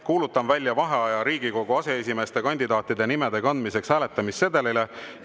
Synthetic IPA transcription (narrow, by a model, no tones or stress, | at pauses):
kuːlut̪ːˑɑmvælʲjɑvɑɦe̞ɑjɑɾiːɡ̥iko̞ɡ̥uɑse̞es̬ʲime̞ːst̪e̞kɑnʲd̪id̪̥ɑːt̪ːˑid̪e̞nime̞d̪e̞kɑnd̪̥mise̞kshæːle̞t̪ːˑɑmistːe̞d̪elile